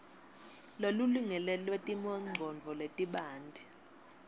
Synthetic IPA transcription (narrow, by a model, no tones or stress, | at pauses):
loluliŋɛlɛlwetʼimɔŋ͡ǀʱɔnd͡vʱɔletʼiɓaːndʱi